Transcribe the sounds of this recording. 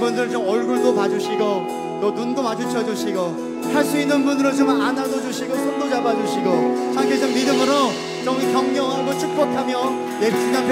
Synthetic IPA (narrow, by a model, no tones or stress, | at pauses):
bundɯɾɯt͡ɕomʌɭɡuɭdopad͡ʑuɕʰiɡo | t͈onundomad͡ʑʰut͡ɕʰʌd͡ʑuɕʰiɡo | haɭs͈uinːɯnbunɯɾot͡ɕomanadod͡ʑuɕʰiɡosʰondod͡ʑabad͡ʑuɕʰiɡot͡ɕʰaŋkʰed͡ʑʌmːidɯmɯɾo | t͡ɕʌmkjʌŋɲʌŋɦaɡot͡ɕʰuk̚p͈ʌkʰamjʌ | net͡ɕʰiɲapʰ